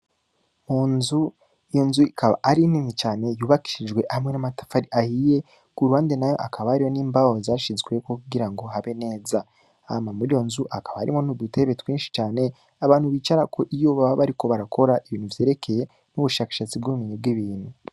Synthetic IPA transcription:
munzu | ijo̞nzuikʰaβa̰ʔaɾininit͡ʃaːne̞juːβaki̥ʃid͡ʒɡwe̞ʔamŋe̞namatḁfaɾiʔahije̞ | kuɾuhaːnde̞najo̞̰ʔakaβahaɾijo̞niːmbawo̞zaʃizɡwe̞kokuɡiɾaŋɡo̞ɦaβe̞ne̞ːza | amamuɾijo̞nzuʔakaβaha̰ɾḭmonuɡɡutʰe̞βetwiːnʃi̥t͡ʃaːne̞ | aβaːnhuβiːt͡ʃaɾakʰo̞ʔijoβaβaβaɾiko̞βaɾakʰo̞ɾaʔiβiːnhuvjeːɾe̞kʰe̞je̞ | nuβuʃaːkḁʃat͡sibɡuumiɲubɡiβiːn̥hu

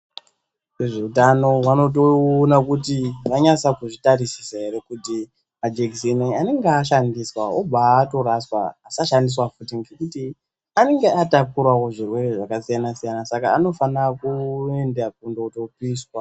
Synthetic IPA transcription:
eʐe̞utano̞ɦwano̞t̬oonakutiʋaɲat͡sakuʐitarisi̥saɦe̞ɾe̞kuti | mad͡ʒekseneane̞ŋɡaʃandiswaobato̞ɾaswa̰ːsaʃandis̬wafutiŋɡekuti | ane̞ŋɡeatakuɾawo̞ʐirwe̞re̞ʐakasijanasijanasakaːno̞fanakue̞ndak̚undoutopiːswa

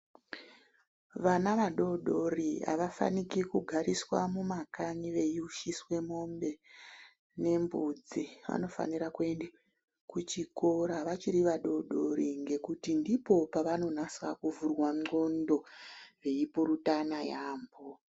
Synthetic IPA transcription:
ʋanaʋaɗo̞ɗo̞ria̰ʋafa̰nikikuɡʱaɾiswamumakaɲiʋe̞jiuʃiswe̞mo̞mbe̞ | ne̞mbud͡ziʋa̰no̞fa̰niɾakue̞nde | kut͡ʃiko̞ɾaʋat͡ʃiɾiʋaɗo̞ɗo̞ɾiŋɡe̞kutindipo̞paʋano̞naswa̰kuvurwaŋ͡ǃɡo̞ndo̞ʋe̞ipoɾutanajaːmbo

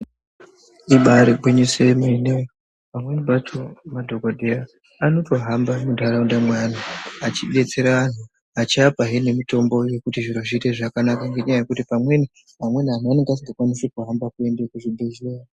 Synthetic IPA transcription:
iɓaɾebʱwiɲisemune | pamwenibatʰomadʱoɡodʱeaː | no̞to̞ɦambamudʱaɾaundamwanaat͡ʃiɓe̞t͡se̞ɾaan̤u | at͡ʃiapaɦine̞mito̞mbo̞je̞kutiʐiɾoʐiːte̞ʐakanakaŋɡe̞ɲajaje̞kutipamwe̞ni | amwe̞nian̤oane̞ŋɡeasiŋɡakwanisetoɦambakue̞ndekuʐibʱezua

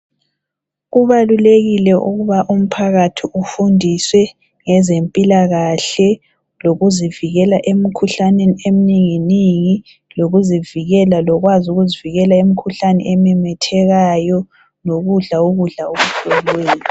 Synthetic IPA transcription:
ɣuβaluleɣilɛʔuɣuβaʔum̩pʰaɣatʰiʔufundʱiswɛ | ŋɛzempʼilaɣaɬɛ | loɣuziviɣɛlaʔemikʰuɬaneniem̩niŋiniŋi | loɣuziviɣɛlalɔɣwazuɣuziviɣɛlaemikʰuɬanɛ̰ʔɛmɛmɛtʰɛɣajɔ | noɣuɮaoɣuɮaoβuɬʰʼɔlweːjɔ

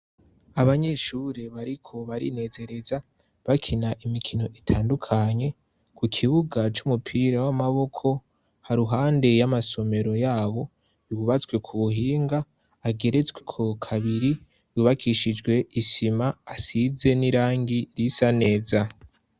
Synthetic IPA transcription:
aβaɲe̞ʃuɾe̞βaɾikʰo̞βaɾḭne̞ːze̞ɾe̞za | βakʰinaʔimikʰino̞ʔitʰaːndukʰaɲe̞ | kʰukʰiβuɡat͡ʃumupʰiɾawamaβo̞kʰo̞ | haɾuɦaːnde̞jamaso̞me̞ɾo̞jaːβo̞ | juβat͡swe̞kʰuβuɦiːŋɡaː | ɡe̞ɾe̞t͡sɡwekʰo̞kʰaβiɾi | juβakʰiʃid͡ʒɡwe̞ʔisimaːsize̞niɾaːŋɡiɾisane̞ːza

